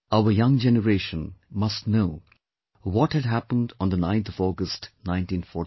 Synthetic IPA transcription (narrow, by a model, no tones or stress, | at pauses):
aʊəjʌ̃ŋd͡ʒɛnəɹeʃə̃nmʌstnoʊ | wɔthɨdɦæpə̃nd̃nd̪ənãɪ̃nt̪ʰʌvɔɡəstnãɪ̃ntĩnfɔ